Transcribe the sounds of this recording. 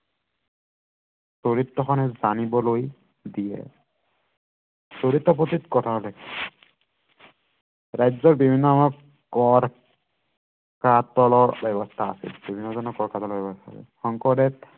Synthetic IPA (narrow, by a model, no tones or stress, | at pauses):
soɹitːɔkxʰɔnɛzanibɔloj | dijɛ̰ | soɹitːɔp̬otitkɔtʰalak | ɹajzɔɹbibʱinːɔamɔ | kɔɹ | katɔlɔɹbɛbɔstʰaːsḭlbibʱinːɔzɔnɔkɔɹkatɔlɔbɛbɔstʰa̰sḭxɔŋkɔdɛt